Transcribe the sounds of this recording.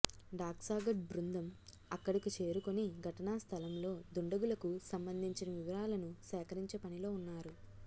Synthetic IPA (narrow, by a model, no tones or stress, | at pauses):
ɖaːksaːɡɐʈ̚bɾund̪ɐm | ɐkːɐɽikit͡ʃe̞ːɾukoniɡʱɐʈɐnaːst̪ʰɐlɐmlo̞ːd̪uɳɖɐɡulɐkusɐmbɐnd̪ʱiɲt͡ʃinɐʋiʋɐɾaːlɐnusɛːkɐɾiɲt͡ʃepɐnilo̞ːunːaːɾu